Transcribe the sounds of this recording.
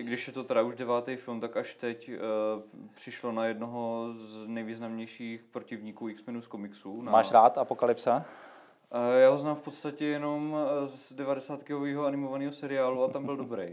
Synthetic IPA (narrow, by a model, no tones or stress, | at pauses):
ʔɪɡdɪʃjɛt̪ot̪ɛɾauʒdɛvaːt̪ɛjfɪlmt̪akaʃt̪ɛc | pr̝̥ɪʃlo̞najɛdnoɦoznɛjviːznamɲɛjʃiːxpɾocɪvɲiːkuːɪksmɛnuːskomɪksuːnamaːʃɾaːt̪apokalɪpsa | jaːɦoznaːmfpo̞t̪st̪acɛjɛno̞mzdɛvadɛsaːt̪kɪɦoviːɦoanɪmovaniːɦosɛɾɪaːluat̪ambɪldo̞bɾej